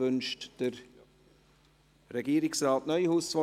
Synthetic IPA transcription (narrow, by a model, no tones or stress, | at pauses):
ʏnʃtd̥əɾ | rɛɡiːɾɪksraːtnœʏhuːsfɔ